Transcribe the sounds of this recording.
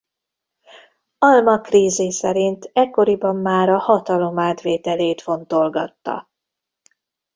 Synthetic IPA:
ɒlmɒkriːzesɛɾint̪ɛkːo̞ɾibɒmːaːɾɒhɒt̪ɒlo̞maːt̪ʋeːt̪ɛleːt̪fo̞nt̪o̞lɡɒt̪ːɒ̰

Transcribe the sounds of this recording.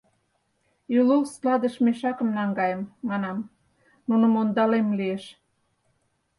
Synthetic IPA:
ylulslɑd̪ə̆ʃmeʃɑkə̆mnɑŋɡɑjəmːɑnɑm | nunə̆mond̪ɑlemlieʃ

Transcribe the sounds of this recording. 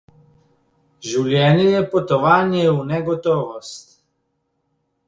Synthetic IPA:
ʒulʲjɛnijɛpot̪ɔʋaːnjɛunɛɡɔt̪ɔʋɔst̪

